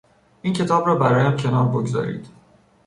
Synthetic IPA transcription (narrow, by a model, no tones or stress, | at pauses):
ʔiːncʰe̞t̪ʰɒːbɾɒːbæɾɒːjæmcʰe̞nɒːɾboɡzɒ̰ːɾḭːd̪̥